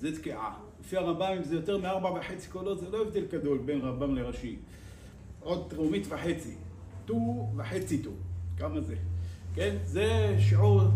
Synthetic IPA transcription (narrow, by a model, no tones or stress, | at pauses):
zet̪kiʕa̰ | lefiaʁambaimzejot̪eʁmeaʁbaveħet͡si̥kolozeloevd̪elɡad̪o̞lbenʁambamleʁaʃim | ʕod̪̚t̪ʁumit̪veħet͡si | t̪uveħet͡sit̪ukamazekenzeʃʕuʁ